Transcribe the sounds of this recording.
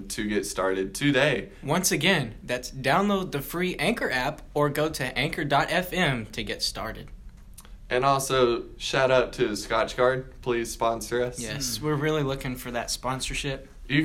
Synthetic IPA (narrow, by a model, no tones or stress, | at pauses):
tʰɨɡɛtstɑɹɾɨd̚tʰɨdeɪ | wʌ̃nsɨɡɛ̃nðætsd̥ãʊ̃nloʊd̪̚ðɨfɹiʔæ̃ŋkə˞ʔæp | ə˞ɡoʊɾɨʔæ̃ŋkə˞dɑɾʔɛfɛ̃mtʰɨɡɛtstɑ̰ɹɾɨ̰d̥ | ʔɨ̃nɔlˠsoʊ | ʃæɾʌtʰɨskɑt͡ʃɡ̥ɑɹd̚pʰl̥iz̥spɑ̃nsə˞ʌsjɛswɪɹɹɪlˠilʊkɪ̃ŋfə˞ðɨtspɑ̃nsə˞ʃɪp̚ | jɨ